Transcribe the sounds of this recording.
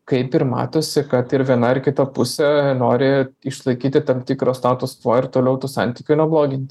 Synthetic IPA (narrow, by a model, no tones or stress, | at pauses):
kɐɪpɪɾmɑ̰ːt̪oːsʲɪkɐt̪ɪɾʋʲiɛnɐɪɾkʲɪt̪ɐpʊsʲɛnoːɾʲɪɪʃlˠɐɪkʲiːt̪ʲɪt̪ɐmt̪ʲiːkɾoːst̪ɑːt̪ʊst̪ʋoːɪɾt̪oːlʲɛʊt̪uːsɑ̰nʲt̪ʲiːkʲʊnʲɛblˠoːɡʲɪnʲt̪ʲɪ